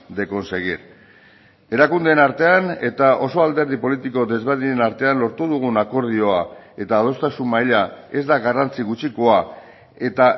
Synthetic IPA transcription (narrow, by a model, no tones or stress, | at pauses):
d̪e̞ko̞nse̞ɣ̞iɾ | e̞ɾakund̪enaɾt̪e̞ane̞t̪aʔo̞so̞ald̪e̞ɾð̞ipo̞lit̪iko̞d̪e̞zβeðiɲenaɾt̪e̞anlo̞ɾt̪uðuɣ̞unako̞ɾð̞io̞ae̞t̪aːð̞o̞st̪asummajʎae̞zd̪aɣarant͡siɣut͡ʃiko̞a | e̞t̪a